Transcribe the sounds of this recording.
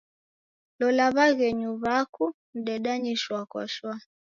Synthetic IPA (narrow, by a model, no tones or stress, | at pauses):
lɔlaβaɣɛɲuβaku | m̩ɗɛɗaɲiʃwaka̰ʃwa